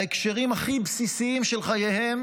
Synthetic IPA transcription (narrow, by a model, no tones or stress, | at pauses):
ekʃeʁimaχibsisiimʃelχajehem